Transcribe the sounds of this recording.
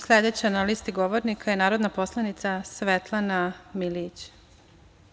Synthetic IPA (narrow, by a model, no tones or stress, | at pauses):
slʲed̪et͡ɕejanaliːst̪iɡoʋoɾnikʰajenaːɾod̪napo̞slˠanit̪sasʋet̪lˠanamilit͡ɕ